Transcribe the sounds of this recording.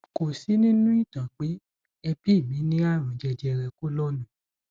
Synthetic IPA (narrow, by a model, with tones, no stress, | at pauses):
ko˨si˨˦nĩ˦nũ˦i˦˨tã˨k͡pe˨˦ | ɛ˧pi˦˨mĩ˨˦nĩ˦a˦˨ɾ̃ũ˨˦d͡ʒɛ˧d͡ʒɛ˧ɾɛ˧ko˦lɔ˦nũ˨